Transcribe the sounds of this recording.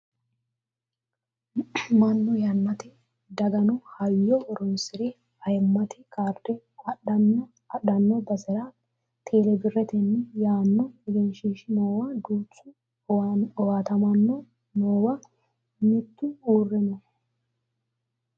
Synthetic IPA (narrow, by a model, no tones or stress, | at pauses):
mɐnːʊjɐnːɐt̪ɪ | d̪ɐɡɐnʊhɐjːɔʔɔɾɔnsɪɾɛ | ɐjmːɐt̪ɪkaːɾd̪ɛ | ɐɗɐnːɔ | ɐɗɐnːɔbɐsɛɾa | t̪ʰe̞ːlɛbɪrːɛt̪ɛnːɪjaːnːɔɛɡɛnʃiːʃɪnoːwad̪uːt͡sːʊ | ɔwaːt̪ɐmɐnːɔ | noːwa | mɪt̪ːʊuːrːɛnɔ